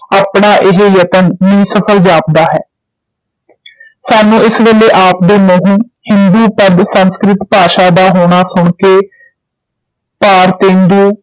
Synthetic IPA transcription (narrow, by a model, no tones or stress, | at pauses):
aːpɳaːʔɪɦjət̪ənmiːsəpʰəld͡ʒaːp̚d̪aːɦɛː | saːnũːɪsʋeːleːʔaːp̚d̪eːməɦũː | hɪnd̪uːpəd̪sənskɾɪt̪paːʃaːd̪aːɦoːɽ̃aːsʊɳkeː | paːɾt̪eːnd̪uː